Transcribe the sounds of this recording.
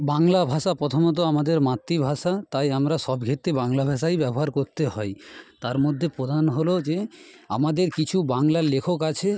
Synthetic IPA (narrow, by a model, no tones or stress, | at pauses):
baŋlabʱaʃapɾɔt̪ʰomot̪̬oamad̪eɾmat̪ːibʱaʃat̪ajamɾaʃɔbɡʱet̪ːebaŋlabʱaʃajbɛboɦaɾkoɾt̪eɦɔjt̪aɾmod̪ʱːepɾod̪ʱanɦolod͡ʑe | a̰mad̪eɾkit͡ɕʰubaŋlalekʰokat͡ɕʰe